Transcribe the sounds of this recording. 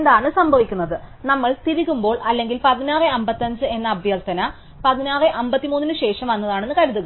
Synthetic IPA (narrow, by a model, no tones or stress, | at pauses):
nd̪aːɳɨsɐmbʱɐʋikʲːunːɐðɨnɐmːɐɭt̪iɾikʲːumbo̞ːɭɐlːe̞ŋɡilpɐðinaːrɨɐmbɐt̪ːɐɲd͡ʑɨe̞nːɐːbʱjɐlt̪ɐnɐ | pɐðinaːrɨʔɐmbɐt̪ːimuːnːinɨɕe̞ːʂɐmʋɐnːɐðaːɳe̞nːɨkɐɾuðuɣɐ